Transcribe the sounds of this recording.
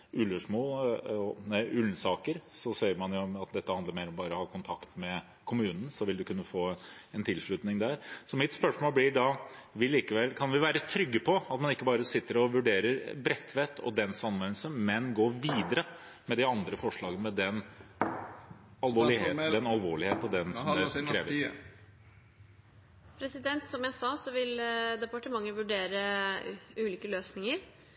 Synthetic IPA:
ʉløʂmoːlɔnɛʔʉlsɑːkəɾsɔseːəɾmɑnjʊɔmɑt̪̚d̪ɛt̪ːəhɑnd̪əɾmeɪɾɔmbɑːɾɔhɑːkʰʊnt̪ʰɑkt̪mɛ | kʰʊmʉːnən̩sɔʋɪld̪ʉkʉnːəfoːɛnt̪ʰɪlʂɭʉt̪nɪŋd̪æɾsɔmɪt̪spœʂmoːlblɪɖɑʋɪliːkəʋɛlkʰɑnʋɪʋæːɾət̪ʰɾʏɡːəpʰɔɑt̪mɑnɪkːəbɑːɾəsɪt̪ːəɾɔʋʉɖeːɾəɾbɾɛt̪ʰːʋɛt̪ʰːɔ̰d̪ɛnsɑnʋɛnl̩səmɛnɡoːʋiːd̪əɾə | mɛd̪ɪɑnd̪ɾəfɔʂɭɑːɡənəmɛd̪ɛn | ɑlʋoːɭɪd̪ɛnɑlʋo̰ːɭɪheːt̪ːɔd̪ɛnsɔmd̪ɛkʰɾeːʋə | pʰɾɛsɪd̪ɛnt̪sɔmjæɪsɑːsɔʋɪld̪ɛpɑʈəmɑŋːəʋʉɖeːɾə | ʉːliːkəløːsnɪŋəɾ

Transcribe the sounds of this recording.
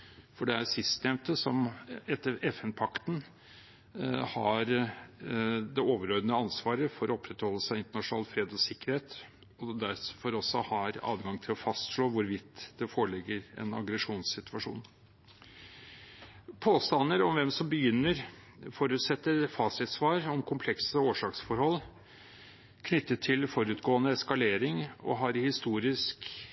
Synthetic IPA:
fɔɖɛæɾsɪst̪nɛmt̪əsɔmɛt̪ːəɾɛfɛnpʰɑkt̪n | hɑɾ | d̪ɛoːʋəɾœʏd̪ənəɑnsʋɑːɾəfɔɾɔɔpʰːɾɛt̪hɔlːəsæɪɪnt̪əɳɑʂʊnɑːlfɾeːd̪ɔsɪkːəɾheːt̪ | ɔd̪æɾfɔɾɔsːɔhɑɾɑ̰ːʋɡɑŋt̪ʰɪlɔfɑst̪ʂɭoːʋʊɾʋɪt̪ːd̪̥ɛfoːɾəɭɪɡːəɾɛ̰nɑ̰ɡɾɛʂuːnsɪt̪ʉɑʂṵːn | pʰoːst̪ɑnːəɾɔmʋɛmsɔmbəjʏnːəɾ | foːɾʉːt̪sɛt̪ːəɾfɑsɪt̪sʋɑːɾɔmkʰʊmpʰlɛksəoːʂɑːksfɔɾhɔlː | kʰnʏt̪ːət̪ʰːɪlfɔɾʉt̪ɡoːənəɛskɑleːɾɪŋɔ̰ɦɑɾhɪst̪uːɾɪsk

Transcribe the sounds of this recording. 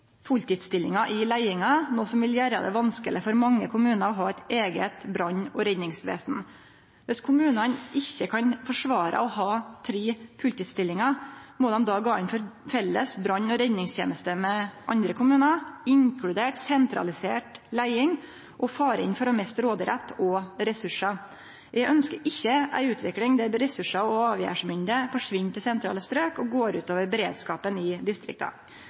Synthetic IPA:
fʊlt̪ɪːd̪st̪ɪlːɪŋɑʔɪlæɪɪŋɑnoːsɔmʋɪljæːɾə̰d̪ɛ̰ʋɑnskəlɪfɔɾmɑŋːəkʰʊmʉːnəɾɔɦɑːæt̪eːɡət̪bɾɑɲːɔɾɛnnɪŋsʋḛːsn̩ | ʋɛskʰʊmʉːnɑnɪçːəkʰɑnfɔʂʋɑːɾʔə̰ɔhɑːt̪ʰɾiːfʉlt̪ɪːd̪st̪ɪlːɪŋɑmɔd̪ɛmd̪ɑːɡɑːɪnfɔɾfɛlːəsbɾɑɲːɔɾɛnnɪŋst̪jḛːnəst̪əmɛʔɑnd̪ɾəkʰʊmʉːnɑɪŋkʰɽʉd̪eːʈsɛnt̪ɾɑ̰lɪsḛːʈlæɪɪŋ | ʔɔfɑːɾəɪ̰nfɔɾɔmɛst̪ɾoːd̪əɾɛt̪ːɔɾɛsʉʂɑ | jʔæɡʔœnskəɾʔɪçːəʔæ̰ɪʉːt̪ʰʋɪklɪŋd̪ɛæɾɛsʉʂɑɔɑːʋjæ̰ːʂmʏnd̪əfɔʂʋɪnːt̪ʰɪlsɛnt̪ɾɑ̰ːləst̪ɾøːkɔɡoːɾʉ̰ːt̪oːʋəɾbɛɾeːd̪skɑːpənɪd̪ɪst̪ɾɪ̰k̚t̪ʰɑ̰

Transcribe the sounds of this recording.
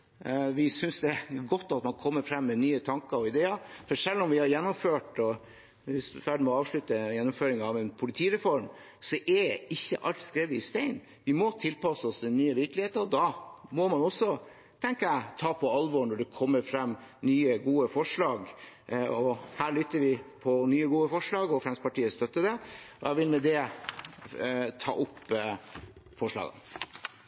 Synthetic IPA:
ʋɪsʏnsd̪ɛɡɔt̪ːɑt̪mɑnkʰɔmːəɾfɾɑmːɛnyːət̪ʰɑŋkəɾɔɪd̪eːəɾfɔʂɛlːɔmʋɪhɑɾjɛnːʊmføːʈɔ | ɪsfæɖ̪mɛɔɑːʋʂɭʉt̪əjɛnːʊmføːɾɪŋɑʋɛnpʰʊlɪt̪ʰiːɾɛfɔɾm | sɔʔɛɛɪçːə̰ʔɑlt̪skɾeːʋəɪst̪eɪn | ʋɪmɔt̪ʰɪlpɑsəɔst̪ʰɪnyːəʋɪɾklɪheːt̪əɾɔd̪ɑmɔmɑnɔsːɔ | t̪ʰɛŋkəæt̪ʰɑːpʰɔɑlʋɔɳɔɖɛkʰɔmːəɾfɾɑmːnyːəɡuːəfɔʂɭɑːɡ | ɔhæːɭʏt̪ːəɾʋɪpʰɔnyːəɡuːəfɔʂɭɑːɡɔfɾɛnspɑʈiːəst̪œt̪ːəd̪ɛʔɔjæɪʋɪlmɛd̪ɛ | t̪ʰɑ̰ːʔʊpː | fɔʂɭɑ̰ːɡə̰n

